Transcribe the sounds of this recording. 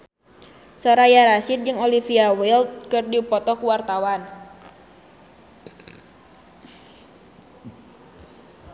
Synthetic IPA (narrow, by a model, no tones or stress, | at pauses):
sɔɾajaɾasit̪̚d͡ʒɨŋolifiawɛlt̪̚kɨrdipɔt̪ɔkuwart̪awan